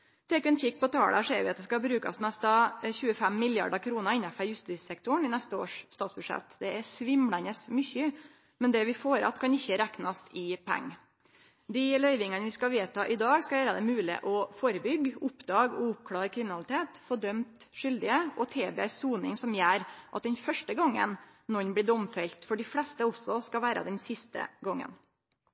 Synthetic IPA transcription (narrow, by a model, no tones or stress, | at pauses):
t̪ʰeːkːɛnçɪk̚ːpɔt̪ʰɑːɽə̰ʂɛ̰ːɾʋɪɑt̪̚d̪ɛskɑbɾʉːkɑ̰smɛst̪ɑçʉːəfɛmːɪljɑ̰ɖəkʰɾuːnəɾɪnɑfəɾjʉst̪iːsɛk̚t̪ʊɳɪnɛst̪əo̰ːʂst̪ɑːt̪sbʉʂɛ̰t̪d̪ɛɛsʋɪmlænəsmʏçə | mɛnd̪ɛʋɪfoːɾɑ̰t̪kʰɑnɪçːəɾæknɑst̪ʰɪpʰæ̰ŋː | d̪ɪlœʏʋɪŋənəʋɪskɑʋeːt̪ʰɑːʔɪd̪ɑːɡskɑʋæːɾəd̪ɛmʉːlɪ̰ʔɔfoːɾəbʏɡʊpd̪ɑːɡɔ̰ʊp̚kʰɽɑːɾkʰɾɪmɪnɑlɪt̪ʰeːt̪fɔɖœmt̪ʂʏld̪ɪəɔt̪ʰeːbḛːsuːnɪŋsɔmjæːɾʔɑ̰t̪̚d̪ɛnfœʂʈəɡɔŋːə̰nnɔnbliːɖɔmfɛlt̪fɔɖɪflɛst̪əɔsɔskɑʋæːɾə̰d̪ɛnsɪst̪ə̰ɡɔŋːə̰n